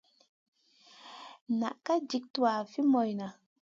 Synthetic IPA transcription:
na̰˨ʔka˦d͡ʒi˨˦k̚tu˨wa˨fi˦mɔ˨jna˨

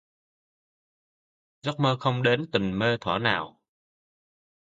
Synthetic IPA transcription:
zɔ˦˥k͡p̚məː˧xə˧wŋ͡mɗe˨˦nt̪ə˨˩nməː˧t̪ʰwa˧˩naː˨˩w

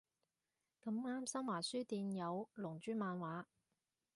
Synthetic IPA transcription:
kɐ˧mŋaː˥msɐ˥mwaː˨˩syː˥t̪iː˧njɐ˨˧wlʊ˨˩ŋt͡ʃyː˥maː˨˧nwaː˨˥

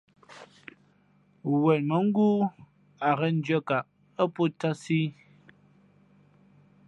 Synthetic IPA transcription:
wɛ˨tmə˨˦ŋ̩˦ɡu˦ | a˨ɣə˦n̩˦d͡ʒjə˦ka˨ʔ | ə˦po˦ta˦si˦

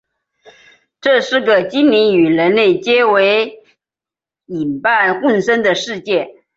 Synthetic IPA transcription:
ʈ͡ʂɤ˥˧ʂɻ̩˥˩ɡə˩t͡ɕi˥nli˧˥ny˨˩ɻə˧˥nle˥˩ɪt͡ɕjɛ˥we˧˥ɪ | i˨˩npa˥˧nkʊ˥˩nʂə˥ŋd̪ə˨ʂɻ̩˥˧t͡ɕjɛ˥˩

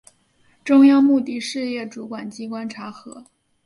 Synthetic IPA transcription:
ʈ͡ʂʊ˥ŋjɑ˥ŋmu˥˧t̪i˥˧ʂɻ̩˥˧jɛ˥˩ʈ͡ʂu˧˥kwa˨˩nt͡ɕi˥kwa˥nʈ͡ʂʰa˧˥xɤ˧˥

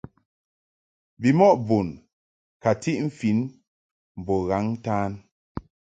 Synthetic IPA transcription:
bi˨mɔ˦ʔbu˨n | ka˨ti˦ʔm̩˦fi˨˦n | m̩˨bɔ˨ɣa˨˦ŋ˦taː˦n

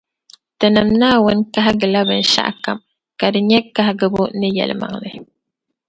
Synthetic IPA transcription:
tə˨nə˨mna˦wə˦nka˦ɦa˦ɡə˨la˦bə˨nʃa̰˦ʔka̰˨m | ka˨ɾɲɛ˦kːa˦ɦaɡə˨bu˦nə˦jɛ̰˨lma̰˨ŋlə˨

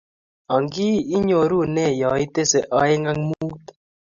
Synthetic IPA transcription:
ɔ˨ŋɡi˦i˦ɲo˨ɾu˦˨nɛ˦˨jɔ˨ɪ˦te˦se˨ʔɔ˦ɪ˦ŋa˦ŋmuu˦t

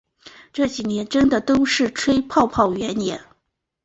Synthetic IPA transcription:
ʈ͡ʂɤ˥˩t͡ɕi˨˩njɛ˧˥nʈ͡ʂə˥nd̪ə˨t̪o˥ʊʂɻ̩˥˩ʈ͡ʂʰwe˥ɪpʰɑ˥˧ʊpʰɑ˥˩ʊɥɛ˧˥njɛ˧˥n

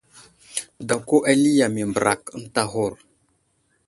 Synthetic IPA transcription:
da˨ko˦ʔa˦li˦ja˨mi˨mbə˨ɾa˨kn̩˦ta˦ɦo˦˨ɾ

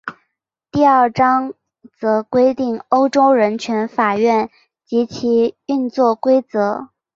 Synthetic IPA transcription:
t̪i˥˧ə˞˥˩ʈ͡ʂɑ˥ŋ | t͡sɤ˧˥kwe˥ɪt̪i˥˩ŋo˥ʊʈ͡ʂo˥ʊɻə˧˥nt͡ɕʰɥɛ˧˥nfa˨˩ɥɛ˥˩n | t͡ɕi˧˥t͡ɕʰi˧˥y˥˧nt͡swɔ˥˩kwe˥ɪt͡sɤ˧˥

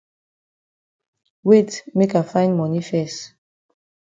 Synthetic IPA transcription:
we˦˨tme˦ka˨fã˦ɪ̃nmɔ˨ni˦fɛ˨st

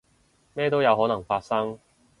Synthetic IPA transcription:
mɛː˥t̪̬o˥wjɐ˨˧wɦɔː˨˥nɐ˨˩ŋfaː˧t̚sɐ˥ŋ

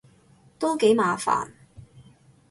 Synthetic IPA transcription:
t̪ɔː˥ke˨˥jmaː˨˧fa̰ː˨˩n

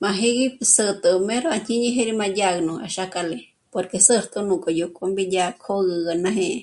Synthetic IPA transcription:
mã˧ɦe˦ɣisə˧t̪ə˨me˦ɾoa˧ɲ̥ĩ˦ɲĩ˦ɦe˦ɾi˧mã˧daɣnũ˨a̰˨ʃaka˧le˧ | po˨ɾkesə˦ɾt̪ʼu˧nũ˨kʼo˨jo˧kʼo˦mbi˦dakʰo˦ɣə˧ɡa˧nã˧ɦẽ˧ʔ

